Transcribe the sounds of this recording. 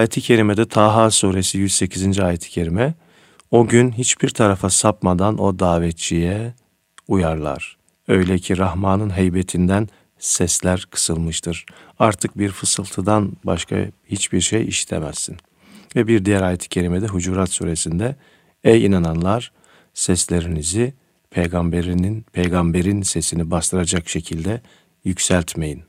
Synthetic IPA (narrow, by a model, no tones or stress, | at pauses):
ajet̪ʰicʰe̞ɾimed̪ɛt̪ʰaːɦasuːɾesijyzse̞cʰizind͡ʒiaːjet̪ʰi̥cʰe̞ɾimɛ | o̞ɟynɦit͡ʃbiɾt̪ʰaɾafasapmad̪ano̞d̪aːvɛt̪̚t͡ʃʰijɛ | ujaɾlˠa̰ɾ̥ | ø̞jlʲɛcʰiɾahmaːnɯnɦejbet̪ʰind̪æn | sɛslʲæɾkʰɯ̥sɯlˠmɯʃt̪ʰɯɾ̥aɾt̪ʰɯk̚biɾfɯsɯlˠt̪ʰɯd̪anba̰ʃkʰa̰hit͡ʃbiɾʃejḭʃi̥t̪ʰḛmæsːin | vɛbiɾd̪ijæɾaːjet̪ʰi̥cʰe̞ɾimed̪ɛɦud͡ʒuːɾat̪sṵːɾe̞sind̪ɛ | ɛjinananlˠaɾ̥ | sɛslʲe̞ɾinizi | pʰejɡambeɾninpʰejɡambeɾinsesinibast̪ɯɾad͡ʒakʃe̞cʰilʲd̪ɛ | jycsælʲt̪ʰme̞jin